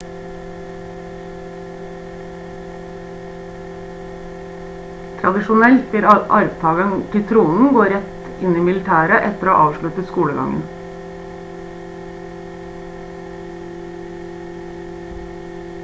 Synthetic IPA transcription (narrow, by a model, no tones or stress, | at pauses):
t̪ʰɾɑd̪ɪʃʊnɛlt̪ɪɾʔɑɾʋt̪ʰɑːlənkɪt̪ʰɾuːnn̩ɡoːɾɛt̪ | ɪniːmɪlɪt̪ʰæːɾəʔɛt̪əɾooːʔɑːʋʃɭʉt̪əskuːɽəɡɑ̰ŋə̰n